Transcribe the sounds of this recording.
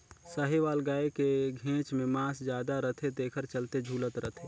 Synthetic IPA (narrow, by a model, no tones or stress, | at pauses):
səɦeʋaːlɡaːekeɡʱẽːt͡ʃmẽmãːsd͡ʒjaːd̪aɾət̪ʰed̪eːkʰəɾt͡ʃəlt̪ed͡ʒʱuːlət̪ɾət̪ʰe